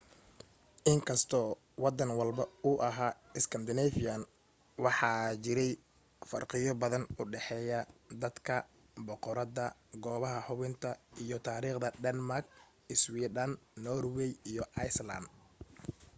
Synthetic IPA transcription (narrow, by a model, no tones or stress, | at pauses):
ʔɪŋkʰɐst̪ʰɔː | wɑd̪ɐnwɑlbɐʊʔɐɦaːɪskʰɐnd̪ɪnɛfijan | wɑħɑt͡ʃɪɾɛj | fɐ̰rqɪjɔbɐðɐnʊɖɛħɛːjɐd̪ɐd̪kʰɐ | bɔqɔɾɐðɐɡɔːβɐɦɐħʊβɪnt̪ʰɐijɔt̪ʰaːɾiːqd̪ɐd̪ɛnmark | ɪswiːd̪ɐnnɔrwɛjijɔʔɐjsla̰nd̪